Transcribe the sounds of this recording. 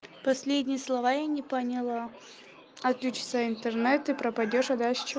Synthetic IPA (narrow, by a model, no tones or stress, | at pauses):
pɐsʲlʲedʲnʲɪjəslˠɐvajanʲɪpənʲɪlˠə | ɐt̪lʲut͡ɕɪ̥t̪səɪnt̪ɨrnɛt̪ɨpɾəpɐdʲo̞ʂɐd̪aʂt͡ɕɪ